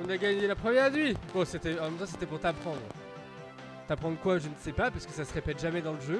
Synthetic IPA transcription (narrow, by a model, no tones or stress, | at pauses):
ɔ̃naɡaɲelapχəmjɛʁd̪ɥibɔ̃set̪ɛɑ̃mɛmt̪ɑ̃s̬e̥t̪ɛpuʁt̪apχɑ̃d̪ʁə | t̪apχɑ̃d̪ʁəkwaʒənsɛpapaʁsəkəsasəʁepɛt̪ʒamɛd̪ɑ̃ləʒø